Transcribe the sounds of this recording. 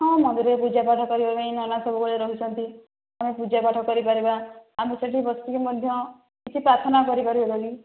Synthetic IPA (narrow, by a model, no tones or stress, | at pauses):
ɦɔ̃mɔd̪iɾepud͡ʒapaʈʰɔkɔɾibabeĩnɔnasɔbukɔɭeɾɔɦut͡ʃʰɔnt̪i | amepud͡ʒapaʈʰɔkɔɾipaɾibaːmeseʈibɔst̪ukemɔd̪ʱjɔ | kit͡ʃʰipɾat̪ʰɔnakɔɾipaɾibed̪ɔli